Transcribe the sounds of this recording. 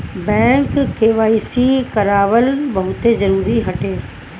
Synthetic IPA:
bɛ̃ːŋkːeːʋaːisikɐɾaːʋəlbɐɦʊt̪ezɐɾuːɾiɦɐʈeː

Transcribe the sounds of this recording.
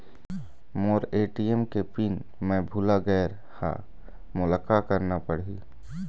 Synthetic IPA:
moːɾeːʈiemkepin | mɛ̃bʱulaɡɛːɾ | ha̰ | mʊlakakəɾnapəɽi

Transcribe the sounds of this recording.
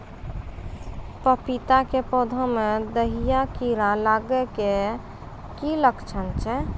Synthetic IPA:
pəpit̪akepɔd̪ʱəmed̪əɦijakiɾalaɡɛke | kiləkʰt͡ʃʰənt͡ʃʰɛ

